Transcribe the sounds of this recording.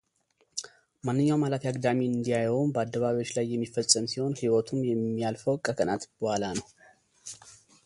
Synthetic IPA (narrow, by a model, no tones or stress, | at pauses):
manːɨɲːawmalat̪jaɡd̪amiɨnd̪ijajunbəad̪ːəβaβiwo̞t͡ʃːlajːɛmːifəsʼəmsiho̞nhiwɔt̪ʰunjɛmːijalfəwkʼəkʰənat̪bəhalanəw